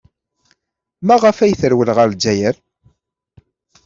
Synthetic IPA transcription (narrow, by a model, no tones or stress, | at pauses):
mæʁəfæjθəɾwəlʁəɾd͡ʒːæjəɾ